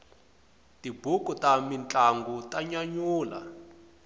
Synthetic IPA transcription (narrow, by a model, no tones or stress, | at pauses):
tibʱukutamint͡ɬʼaŋɡutaɲaɲuːla̰